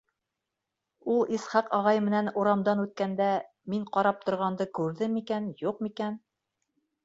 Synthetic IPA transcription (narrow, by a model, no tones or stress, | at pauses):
ulˠisχɑqɑʁɑjmɘ̆nænuɾɑmd̪ɑnʉt̪̚kænd̪æ | miɴqɑɾɑp̚t̪ŏɾʁɑnd̪ɤkʉɾðɘmikænjuqmikæn